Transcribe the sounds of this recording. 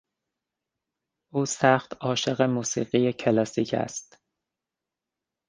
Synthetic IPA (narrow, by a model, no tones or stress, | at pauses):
ʔuːsæxt̪ʰɒːʃeɣemuːsḭːɢijecʰelɒːsiːcʰæ̰st̪